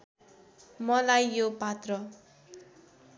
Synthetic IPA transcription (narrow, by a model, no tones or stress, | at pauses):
mʌlajːopat̪rʌ